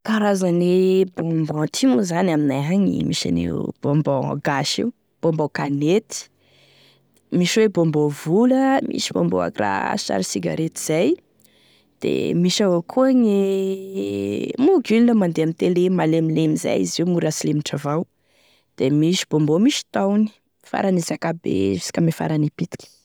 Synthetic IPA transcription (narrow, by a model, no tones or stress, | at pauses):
kaɾazanibombɔ̃t̪ʰimuzanaminaaɲḭmiʃa̰nḛb̥ɔmbɔ̃ɡaʃḭu | b̥ombokanet̪i̥ | miʃwebombovuləmḭʃibo̰mbo̰a̰ɡra̰ʃa̰ɾisiɡa̰ɾet̪i̥z̥aj | d̪̥ḛmiʃaokʰuəŋe | muɡulinəmand̪eamit̪elemalemilemiza̰jiziumuɾasilemiʈ͡ʂavaw | d̪̥emiʃi̥b̥ombomiʃi̥t̪awni̥ | fa̰ɾanizakabḛisi̥kamefa̰ɾanipit̪i̥kʲi̥